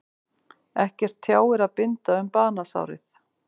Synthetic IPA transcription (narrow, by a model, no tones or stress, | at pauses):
ɛhcɛr̥t̪ʰːjaːwɛɾaðpɪnt̪aʏmpaːnasa̰ːwɾɪ̰θ